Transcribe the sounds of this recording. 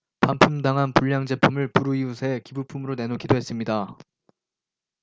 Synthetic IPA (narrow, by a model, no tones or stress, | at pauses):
pampʰumdaŋɦanpuʎːaŋd͡ʑe̞pʰumɯɭpʰuɾuiusʰe̞kibupʰumɯɾone̞nokʰidoɦe̞s͈ɯmɲida